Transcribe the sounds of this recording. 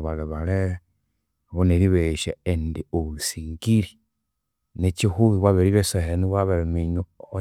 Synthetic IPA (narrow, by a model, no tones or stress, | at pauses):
βaleβale | βoneɾiβeʃaendioβusiːŋɡiɾi | net͡ʃihuβiβwaβeɾiβeseheniβwaβeɾemiɲo